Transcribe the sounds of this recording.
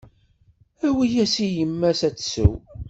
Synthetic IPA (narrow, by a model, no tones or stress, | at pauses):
æwijæsijəmːæsæt͡sːsə̰w